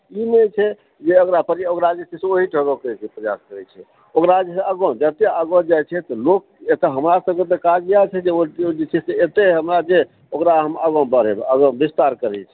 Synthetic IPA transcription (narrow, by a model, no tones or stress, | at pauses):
imet͡ʃʰɛ | d͡ʒeokɾapəɾiokɾad͡ʒeseseoɦiʈʰəɡokt͡ʃʰɛpɾəja̰skəɾɛt͡ʃʰɛ | okɾad͡ʒeseəɡõd͡ʒət̪eəɡod͡ʒajt͡ʃʰɛt̪ɔlok̚ | et̪əɦəmɾasəb̚ket̪ekad͡ʒɡijat͡ʃʰɛd͡ʒeod͡ʒet͡ʃʰɛseet̪eɦəmɾad͡ʒe | okɾaɦəməɡõbəɾebəɡõbist̪aɾkəɾɛ̰t͡ʃʰɛ̥